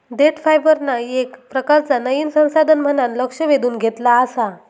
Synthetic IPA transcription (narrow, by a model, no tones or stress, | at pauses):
ɖeʈfajbəɾnajekpɾəkaɾt͡sanəjinsə̃w̃sad̪ʱənm̤ənanləkʂəʋed̪uːnɡʱet̪laːsa